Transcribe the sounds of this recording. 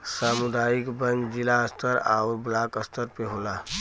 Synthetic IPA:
saːmʊd̪ʱaːjɪkbə̃nd͡ʒd͡ʒɪlaəst̪ʰəɾa̰ʊɾblaːkəst̪ʰəɾpeɦoːlaː

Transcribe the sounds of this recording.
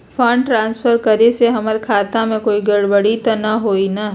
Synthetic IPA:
fʰɐ̃ɳɖʈɾãːnsfʰəɾkəɾeseɦɐməɾkʰaːt̪ãmẽkoːiɡɐɽbəɽit̪ɐnaɦoːina

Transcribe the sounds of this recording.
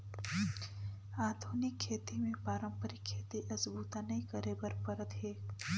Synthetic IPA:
aːd̪ʱuːnɪkʰːeːt̪imẽpaːɾə̃mpəɾɪkʰːeːt̪iʔɐsbuːt̪anɐɦĩkɐɾebɐɾpɐɾət̪ɦeː

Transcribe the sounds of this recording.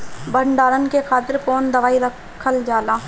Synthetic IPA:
bəɳɖaːɾənkekʰaːt̪ɪɾkoːnd̪əʋaːiɾəkʰːəld͡ʒaːlãː

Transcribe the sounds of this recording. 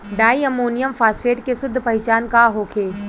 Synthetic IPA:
ɖaːiɐmoːnijəmfʰaːsfeːʈkesʊd̪ʱːpɐɦɪt͡ʃaːnkaɦoːkʰeː

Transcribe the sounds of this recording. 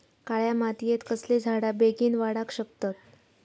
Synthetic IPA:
kaɭjamat̪ijet̪kəsled͡zʱaɽabeɡiːnʋaɽakɕək̚t̪at̪̚

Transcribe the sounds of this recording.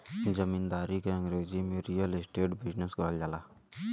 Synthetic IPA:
d͡ʒəmiːnd̪aːɾikeɐ̃ŋɡɾeːzimẽɾijəlɪsʈeːʈbɪd͡ʒnəsɡɔɦld͡ʒaːlaː

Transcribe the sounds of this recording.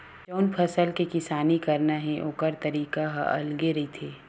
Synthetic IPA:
t͡ʃɔːnpʰɐsəlkekɪsaːnikɐɾnaɦɛ̃ʔoːkəɾt̪ɐɾiːkaɦʔɐ̰lɡeɾɐɦit̪ʰeː

